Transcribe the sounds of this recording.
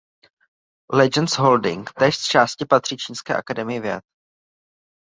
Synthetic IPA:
lɛd͡ʒɛnsɦoldɪ̰ŋkt̪ɛːʃst͡ʃaːscɪpat̪r̥iːt͡ʃiːnskɛ̰ːʔakadɛmɪjɪvjɛ̰t̪̚

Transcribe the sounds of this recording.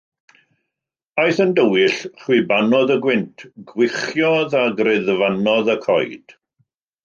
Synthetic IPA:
ajθəndəwɪɬχwɪbanɔðəɡwɪntʰɡ̥wɪχjɔðaɡrɪðvanɔðəkʰɔ̰jd̥

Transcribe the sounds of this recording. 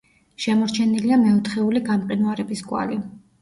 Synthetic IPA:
ʃɛmɔɾt͡ʃʰɛniliamɛɔt̪ʰχɛuliɡamqʼinuaɾɛbiskʼwa̰li

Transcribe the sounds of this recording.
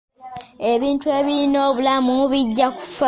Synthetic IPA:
e̞βiːntue̞ːβiino̞ːβulamumuβiɟːaku̥fa

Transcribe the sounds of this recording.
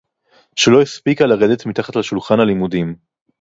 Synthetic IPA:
ʃelo̞ispikalaʁed̪et̪mit̪aχatlaʃulχanhalimudim

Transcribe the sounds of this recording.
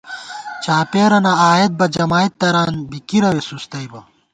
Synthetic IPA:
t͡ɕaːpeːɾɐnɐaːjet̪̚bɐd͡ʑɐmaːit̪ːɐɾaːnbikiɾɐwesust̪ɐibɐ

